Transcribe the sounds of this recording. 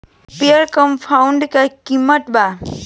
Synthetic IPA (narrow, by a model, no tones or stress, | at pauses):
piəɾkəmpʰawɳɖkakiməʈba